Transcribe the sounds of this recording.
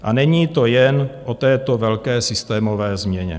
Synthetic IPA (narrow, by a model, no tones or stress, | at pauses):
ʔanɛɲiːt̪o̞jɛnʔot̪ɛːt̪o̞vɛlkɛːsɪst̪ɛːmo̞vɛːzmɲɛɲɛ̰